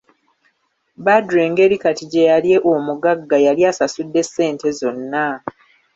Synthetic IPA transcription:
badɾeːŋɡe̞ɾikatiɟe̞jalje̞ʔomuɡaɡːajaljaːsasudːe̞sːe̞ːnte̞zo̞nːa

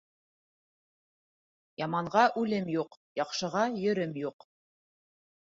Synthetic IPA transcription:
jɑmɑɴʁɑʔʉlɘmjuqjɑqʃɤ̆ʁɑjɵ̆ɾɘmjuq

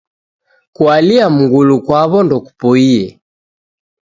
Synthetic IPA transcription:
kwaliamuŋɡulukwaβɔndɔku̥pɔiɛ

